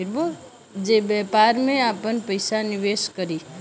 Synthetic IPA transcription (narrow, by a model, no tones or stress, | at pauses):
ɪɾbo | d͡ʒebɛːpaːɾmẽaːpənpəɪsanɪʋeːʃkəɾiː